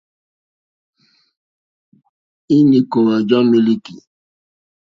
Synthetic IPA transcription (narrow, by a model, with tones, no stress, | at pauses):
i˦ni˨ko˨wa˨d͡ʒɔ˦nmi˦li˦ki˨